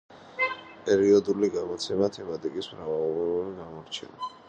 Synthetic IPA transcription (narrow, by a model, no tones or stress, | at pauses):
pʼɛɾiɔd̪uliɡamɔt̪sʰɛmat̪ʰɛmat̪ʼikʼismɾavavˠɔɾuɾiɡamɔɾt͡ʃʰɛ̰na